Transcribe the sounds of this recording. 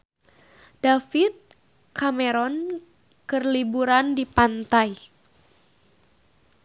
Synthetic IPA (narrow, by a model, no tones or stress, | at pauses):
d̥afit̪̚ | kameɾɔn | kɨrlibuɾandipant̪aj